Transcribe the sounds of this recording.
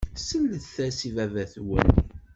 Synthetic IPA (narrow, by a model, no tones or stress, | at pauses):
səlːəθθæsivævæθwə̰n